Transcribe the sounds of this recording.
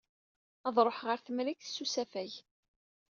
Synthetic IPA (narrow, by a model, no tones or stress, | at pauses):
ɑðˤɾˤoħʁəɾθmlikθsːusæfæj